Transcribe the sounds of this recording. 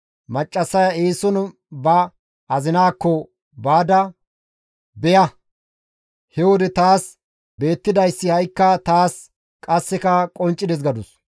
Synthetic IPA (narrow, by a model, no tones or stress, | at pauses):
mɐt͡ʃʼːɐsːɐjɐeːsɔn | bɐ | ɐzɪnaːkːɔ | baːd̪ɐ | bɛjɐ | hɛwɔd̪ɛt̪aːs | be̞ːt̪ːɪd̪ɐjsːɪhɐjkːɐt̪aːs | kʼɐsːɛkɐkʼɔnt͡ʃʼːɪd̪ɛs̬ɡɐd̪ʊs